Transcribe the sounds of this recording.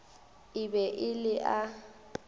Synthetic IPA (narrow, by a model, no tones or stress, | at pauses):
ɪbɛʔɪlɪʔa